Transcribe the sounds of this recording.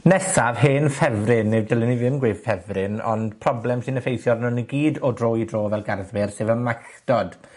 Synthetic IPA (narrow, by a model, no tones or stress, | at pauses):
nɛsav̥ɦeːnfɛvrɪnːɪvdɪlˠɪniðɪmɡwɪːv̥fɛvrɪnɔ̰nd̥pʰrɔblɛmsɨːnəfejθjɔrnʊniɡiːdɔdroːjdroːvɛlˠɡarðvɪrseːvəmaxd̥ɔd̥